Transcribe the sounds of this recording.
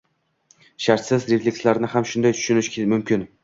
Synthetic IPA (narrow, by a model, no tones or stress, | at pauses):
ʃaɾt̪sɪzɾeflʲekʲslaɾnɪhamʃʊnd̪ajt̪ʰʊ̥ʃʊnɪʃkʲmʊmkʲɪn